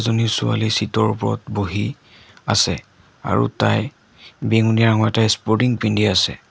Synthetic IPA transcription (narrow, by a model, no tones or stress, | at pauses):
zonisʊa̰lisitɔɹupɔɹɔtboɦi | asɛ | a̰ɹṵtaj | beŋuniaɹaŋɔɛtajspɔɹtiŋpindiasɛ̰